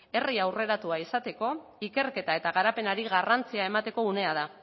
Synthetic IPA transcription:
e̞riawre̞ɾat̪uaisat̪e̞ko̞ike̞ɾke̞t̪ae̞t̪aɣ̞aɾape̞naɾiɣarant͡siae̞mat̪e̞ko̞une̞að̞a

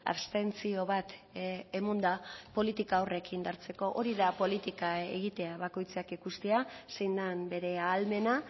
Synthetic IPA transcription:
a̰βst̪e̞nt͡sio̞βat̪emund̪apo̞lit̪ikaːwre̞kind̪aɾt͡se̞ko̞ʔoɾiðapo̞lit̪ikaḛɣit̪e̞aβako̞jt͡sakikust̪easejnd̪ambe̞ɾe̞aːlme̞na

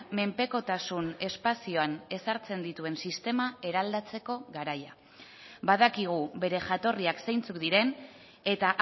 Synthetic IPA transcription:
me̞mpe̞ko̞t̪asune̞spasio̞ane̞saɾt͡se̞nd̪it̪ue̞nsist̪e̞mae̞ɾald̪at͡se̞ko̞ɣaɾaja | baðakiɣ̞uβe̞ɾe̞ʝat̪o̞riaksejnt͡sukd̪iɾe̞n | e̞t̪aʔ

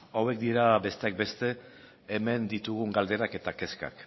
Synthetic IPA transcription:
awe̞k̚d̪iɾabe̞st̪eak̚be̞st̪e̞ː | me̞nd̪it̪uɣ̞uŋɡald̪e̞ɾake̞t̪ake̞ska̰k

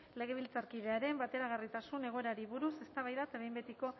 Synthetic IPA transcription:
le̞ɣ̞e̞β̞ilt͡saɾkið̞e̞aɾe̞mbat̪e̞ɾaɣ̞arit̪asune̞ɣ̞o̞eɾaɾiβuɾuse̞st̪aβajðat̪aβejmbet̪iko̞

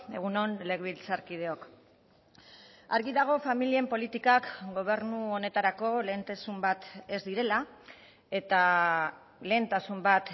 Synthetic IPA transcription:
e̞ɣ̞uno̞nle̞ɣβilt͡saɾkið̞e̞o̞k | aɾɣiðaɣ̞o̞familie̞mpo̞lit̪ikakɡo̞β̞e̞ɾnuo̞ne̞t̪aɾako̞le̞ːnt̪asumbat̪e̞zd̪iɾe̞la | e̞t̪a | le̞ːnt̪asumbat̪

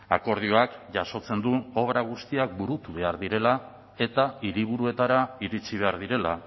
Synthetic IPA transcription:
ako̞ɾð̞ioakʝaso̞t͡se̞nd̪uo̞β̞ɾaɣ̞ust̪iakbuɾut̪uβ̞e̞aɾðiɾe̞la | e̞t̪aiɾiβ̞uɾue̞t̪aɾaiɾit͡siβ̞e̞aɾðiɾe̞la

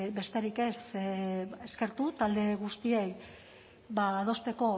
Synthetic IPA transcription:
be̞st̪e̞ɾike̞s | e̞ske̞ɾt̪ut̪ald̪e̞ɣ̞ust̪ie̞j | baːð̞o̞st̪e̞ko̞

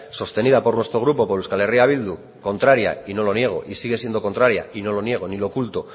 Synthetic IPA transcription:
so̞st̪e̞nið̞apo̞ɾnwest̪ɾo̞ɣ̞ɾupo̞poɾewskale̞riaβ̞ild̪u | ko̞nt̪ɾaɾja̰ino̞lo̞nje̞ɣ̞o̞̰ʔisiɣ̞e̞sje̞nd̪o̞ko̞nt̪ɾaɾja̰ino̞lo̞nje̞ɣ̞o̞nilo̞kult̪o̞

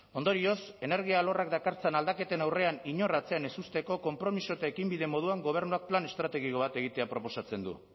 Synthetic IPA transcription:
o̞nd̪o̞ɾio̞se̞ne̞ɾɣ̞iaːlo̞rak̚d̪akaɾt͡senald̪ake̞t̪enawre̞aniɲo̞rat͡se̞ane̞sust̪e̞ko̞ko̞mpɾo̞miso̞et̪aekimbiðe̞mo̞ð̞uaŋɡo̞β̞e̞ɾnuak̚plane̞st̪ɾat̪e̞ɣiko̞β̞at̪e̞ɣit̪e̞apɾo̞po̞sat͡se̞nd̪ṵ

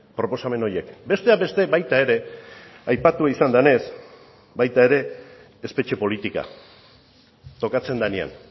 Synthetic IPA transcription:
pɾo̞po̞same̞no̞je̞kbe̞st̪eabe̞st̪e̞bajt̪ae̞ɾe̞ajpat̪uaisand̪ane̞s | bajt̪ae̞ɾe̞ː | spe̞t͡ʃe̞po̞lit̪ika̰ | t̪o̞kat͡se̞nd̪ania̰n

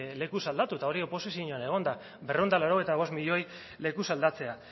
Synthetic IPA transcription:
le̞kusald̪at̪ut̪ao̞ɾiopo̞sis̬jioɲoane̞ɣ̞o̞nd̪a | berend̪alaɾo̞e̞jt̪aβ̞o̞smiʎo̞j | le̞kusald̪at͡se̞a

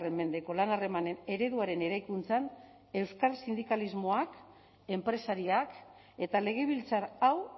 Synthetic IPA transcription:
remːe̞nd̪e̞ko̞lanare̞mane̞ne̞ɾe̞ðuaɾe̞ne̞ɾajkunt͡san | e̞wskalsind̪ikalizmo̞ak | e̞mpɾe̞saɾiak | e̞t̪ale̞ɣ̞e̞β̞ilt͡saɾaw

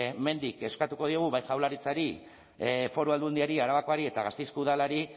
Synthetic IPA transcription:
me̞nd̪ike̞skat̪uko̞ð̞ioɣ̞uβajʝawlaɾit͡saɾi | fo̞ɾuald̪und̪iaɾiaɾaβakoaɾie̞t̪aɣast̪ejskuðalaɾi

